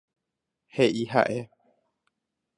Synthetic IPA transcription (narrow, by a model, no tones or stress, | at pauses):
heʔiɦa̰ʔe